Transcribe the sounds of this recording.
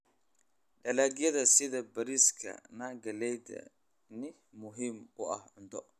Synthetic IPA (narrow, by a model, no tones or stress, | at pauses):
ɗɐlaːɡjɐðɐsɪðɐbɐɾiskʰɐ̰naːɡɐlɛjd̪ɐ̰ | nɪ | mʊɦimʊɐ̰hʕʊnt̪ʰɔ